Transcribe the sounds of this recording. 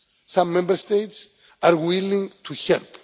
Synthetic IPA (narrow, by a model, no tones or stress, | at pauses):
sãmːɛ̃mbəɾst̪ejts | aɾwilĩŋt̪ʰuhɛlp